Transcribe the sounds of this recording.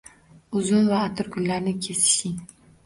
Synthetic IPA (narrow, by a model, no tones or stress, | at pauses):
ʊzʊnvaːt̪ʰʊɾɡʰʊnlaɾnɪkʲʰe̞sɪ̥ʃɪŋ